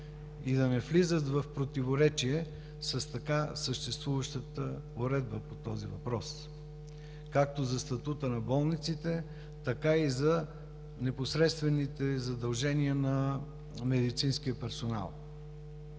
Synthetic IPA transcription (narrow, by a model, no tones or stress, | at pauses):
id̪ɐnɛflizət̪vɐfpɾot̪ivoɾɛt͡ʃiɛ | səst̪ɐkasəʃt̪ɛst̪vuvəʃt̪ət̪ə | oɾɛd̪̚bəpot̪ɔzivɐpɾɔs | kak̚t̪ozɐst̪ɐt̪ut̪ənɐbɔlˠnit̪sit̪ɛ | t̪ɐkaizɐ | nɛposɾɛt̪st̪vɛnit̪ɛzɐd̪ɐlˠʒɛniənɐ | mɛd̪it̪sinsk̟iəpɛɾsona̰lˠ